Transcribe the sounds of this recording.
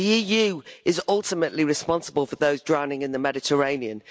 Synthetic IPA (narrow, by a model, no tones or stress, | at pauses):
iiːjʉːɪzʌlˠtɪməʔliɹɪspɒ̃nsəbəlˠfəðoʊzdɹaʊ̃nɪ̃ŋɪ̃nðəmɛdɪtʰəɹẽɪ̃niə̃n